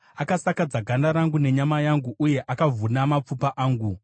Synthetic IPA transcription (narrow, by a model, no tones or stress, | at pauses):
akasakad͡zaɡʱandaɾaŋɡune̞ɲamajaŋɡuʔuje̞ʔakavunamap͡fupaʔaːŋɡu